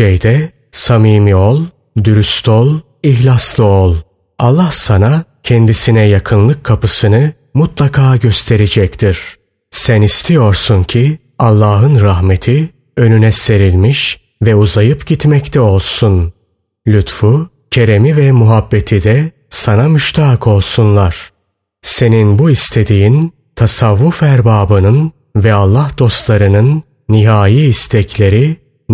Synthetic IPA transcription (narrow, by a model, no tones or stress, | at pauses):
ʃejd̪ɛ | samiːmiolˠ | d̪yɾyst̪ʰolˠ | içlʲaslˠɯolˠ | alˠːahsanacʰɛnd̪isinɛjakʰɯnlˠɯkʰːapɯsɯnɯ | mut̪lˠakʰaːɟøst̪ʰe̞ɾed͡ʒɛct̪ʰiɾ̥ | sænist̪ʰijo̞ɾsuncʰi | alˠːaːɦɯnɾaɦmet̪ʰi | ø̞nynɛse̞ɾilʲmiʃ | vɛuzajɯpɟit̪mɛct̪ʰɛo̞lˠsun | lʲut̪fu | cʰe̞ɾe̞mivɛmuɦabːe̞t̪ʰid̪ɛ | sanamyʃt̪ʰaːkʰo̞lˠsunlˠaɾ̥ | se̞ninbuist̪ʰe̞d̪ijin | t̪ʰasavːufæɾbaːbɯnɯn | vɛalˠːahd̪̥o̞st̪lˠaɾɯnɯnː | iɦaːjiːst̪ʰɛcʰlʲe̞ɾi